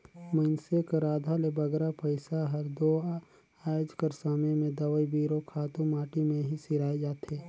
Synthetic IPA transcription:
mənsekɾaːd̪ʱalebɐɡɾapɐɪsaɦɐɾd̪o | aːjod͡ʒkəɾsaːmemẽd̪ɐʋəibiːɾokʰaːt̪õmaːʈimẽɦisɪɾaːed͡ʒaːt̪eː

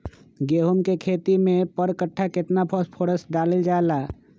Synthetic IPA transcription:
ɡeːɦumkekʰeːt̪imẽpəɾkəʈʰːakɪt̪napʰɔspʰoɽəsɖaːleld͡ʒaːela

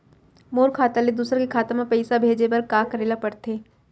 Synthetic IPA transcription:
moːɾkʰaːt̪aled̪uːsɾkekʰaːt̪mapɛɪsabʱeːd͡ʒebɐɾkaːkɐɾeːlapɐɾt̪eː

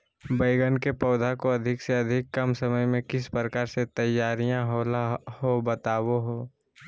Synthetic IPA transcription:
bəɪɡənkepɔːd̪ʱakoɐd̪ʱɪkseɐd̪ʱɪkːɐmsɐməjmẽkɪspɾəkaːɾset̪ɐjːaːɾijãɦolhobət̪aːwoɦoː

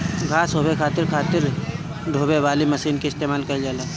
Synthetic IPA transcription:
ɡʱaːsɦoːbekʰaːt̪ɪɾkʰaːt̪ɪɾ | ɖʱoːbeʋaːlimɐsiːnkeɪst̪eːmaːlkɐid͡ʒaːleː

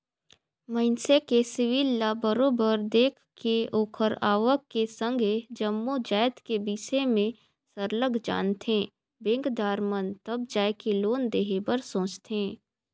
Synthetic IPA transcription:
məɪnsekesɪʋiːlːabəɾoːbəɾd̪eːkʰkeoːkʰəɾaːʋəkkesə̃ŋɡʱed͡ʒəmːud͡ʒaːjt̪kebiːsemẽ | səɾləɡʱd͡ʒa̰ːnt̪ẽː | bẽːŋkd̪aːɾmənt̪əb̚d͡ʒaːjkeloːnd̪eːɦebəɾsõːt͡ʃt̪ẽː

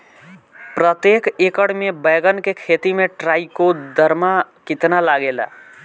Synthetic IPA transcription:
pɾət̪jekekəɽmebəɡənkekʰet̪imeʈɾaikod̪əɾmakit̪nalaɡela̰

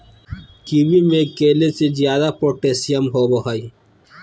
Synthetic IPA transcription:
kiːbimẽkeːlesezjaːd̪apoːʈeːsijəmɦoːboɦəi

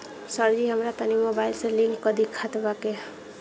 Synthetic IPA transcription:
səɾd͡ʒiɦəmɾat̪ənimobailsẽlĩŋkːəd̪ikʰat̪bakeɦ

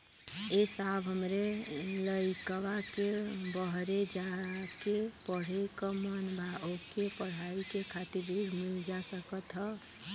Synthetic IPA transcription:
esabɦəmɾeləikəwakebəɦɾed͡ʒakepəɽ̤ekɔmanbʱaʔokepəɽ̤aikekʰat̪iɾiɡmild͡ʒasəkət̪ɦə

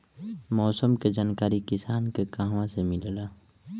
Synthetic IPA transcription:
mɔːsəmked͡ʒaːnkaːɾikɪsaːnkekaːɦʋãsemɪllaː

